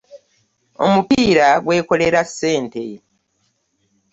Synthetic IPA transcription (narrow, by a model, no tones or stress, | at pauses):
o̞̰mupiːɾaɡwe̞ːko̞le̞ɾasːe̞ːnte̞